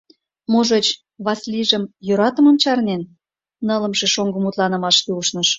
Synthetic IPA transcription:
moʒet͡ɕ | βɑsliʒəmjøɾɑt̪ə̆mə̆mt͡ɕɑrnen | nələ̆mʃeʃoŋɡə̆mut̪lɑnə̆mɑʃt̪euʃnəʃ

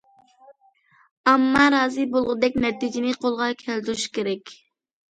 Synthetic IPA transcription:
ɑmːɑɾɑːzɨbolˠʁʊd̪ɛk̚ʲnɛt̪id͡ʒɪnɪqʰolˠʁɑkʲʰɛlt̪yɾuʃkʲeɾɛkʲ

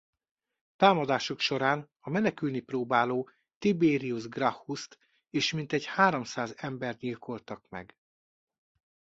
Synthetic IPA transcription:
t̪aːmɒd̪aːʃokʃo̞ɾaːn | ɒmɛnɛkylniproːbaːloː | t̪ibeːɾiuʒɡrɒfust̪ | eːʃmint̪ɛɟhaːɾomsaːzɛmbɛrt̪ɲilkʰo̞lt̪ɒkmɛ̰ɡ

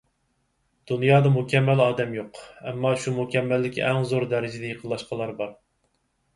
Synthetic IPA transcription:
d̪̥unjɑːd̪ɑmukʲɛmːɛlɑːd̪ɛmjoqɛmːɑʃumukʲɛmːɛlːɪkʲiʔɛŋzoɾd̪æɾɪd͡ʒɪd̪ɛjəqʰəlˠːɑʃqʰɑlˠɑɾbɑɾ

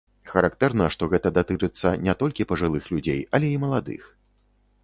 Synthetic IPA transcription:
xɐɾak̚t̪ɛrnɐʂt̪ɔɣɛt̪ɐd̪at̪ɨt͡ʂɨt̪sːɐnʲɛt̪ɔlʲkʲipɐʐɨlˠɨxlʲud͡zʲḛjɐlʲɛimɐlˠad̪ɨ̰x

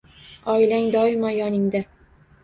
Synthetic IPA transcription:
ɒjlaŋd̪ɒɪmajɒnɪŋd̪a

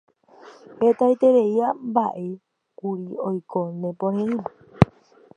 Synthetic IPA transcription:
het̪ait̪eɾe̞iambaʔe | kuɾiojkʰonẽpõɾẽĩme

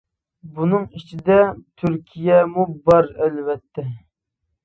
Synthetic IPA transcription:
bunɨŋit͡ʃʰid̪ɛt̪ʰyɾkʲʰijɛmubɑɾɛlwɛt̪ʰːɛ

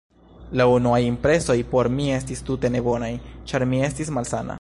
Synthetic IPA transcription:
launuajimpɾe̞so̞jpo̞ɾmie̞stistute̞ne̞bo̞najt͡ʃaɾmie̞stismalsana̰

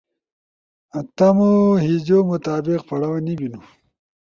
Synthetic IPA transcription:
at̪ɐmoɦid͡ʑomʊt̪aːbɪqpɐɽawanibinu

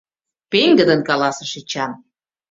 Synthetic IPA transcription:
peŋɡə̆d̪ə̆nkɑlɑsə̆ʃit͡ɕɑn

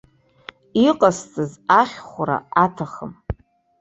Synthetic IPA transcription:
iqʼast͡sʼɨzaχʲχʷaɾa̰atʰaχəm

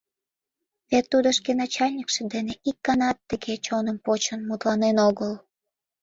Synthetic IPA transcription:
βet̪ːud̪ŏʃkenɑt͡ɕɑlʲnʲikʃĕd̪eneʔikːɑnɑt̪ːəɣet͡ɕonəmpot͡ɕənmut̪lɑnenoɣəl

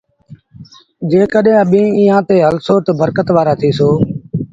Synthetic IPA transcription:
d͡ʒeːkəɗɦẽːəɓĩːiːãːt̪eːɦəlsoːʈ̪bəɾkət̪ʋaːɾaːt̪ʰiːsoː

